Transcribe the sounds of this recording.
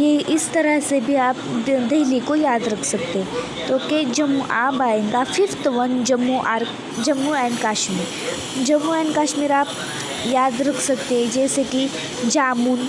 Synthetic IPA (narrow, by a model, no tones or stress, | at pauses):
jeʔist̪əɾəɦsebʱiaːpd̪ɐɦlikojaːd̪ɾɐkʰsəkt̪e | t̪oːked͡ʒəmːuʔa̰ːbaːeŋɡafift̪ʋənd͡ʒəmːuʔaɾ | d͡ʒɐmːuɛ̃ɳɖkaːʃmiːɾ | d͡ʒɐmːuɛ̃ɳɖkaːʃmiːɾaːp | jaːd̪ɾɐkʰsəkt̪ed͡ʒɛːseki | d͡ʒaːmuːn